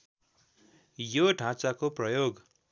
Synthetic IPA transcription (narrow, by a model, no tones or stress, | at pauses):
joɖʱãt͡sakoprʌjoɡ